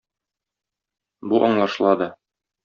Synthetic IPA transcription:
buʔɒɴlˠɑʃlˠɑd̪ɤ

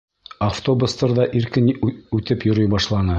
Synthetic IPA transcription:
ɐft̪obust̪ɑɾðɑʔiɾkɘnʉt̪ɘpjŏɾɤjbɑʃlˠɑnɤ

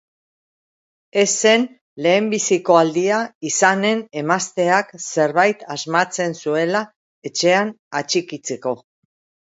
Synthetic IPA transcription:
e̞se̞n | le̞ːmbisiko̞ald̪iaisane̞ne̞mast̪e̞akse̞ɾβajt̪azmat͡se̞nsue̞la | e̞t͡ʃe̞an | at͡ʃikit͡se̞ko̞

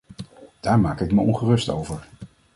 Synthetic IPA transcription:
d̥aːɹmaːkɪkməɔnχərɵsto̰wvəɹ

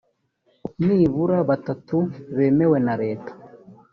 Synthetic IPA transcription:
niːβuɾaβatatuβemewenaɾeːtḁ

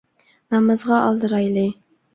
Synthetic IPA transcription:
nɑmɤ̆zʁɑʔːlˠd̪ɤ̆ɾɑjlej

